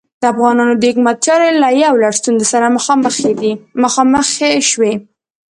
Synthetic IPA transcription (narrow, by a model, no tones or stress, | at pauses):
d̪̥əafɣɑnɑnod̪əhɪkmat̪̚t͡ʃɑɾolajawlaɽst̪unzesaɾaməxɑməxed̪iməxɑməxeʃwe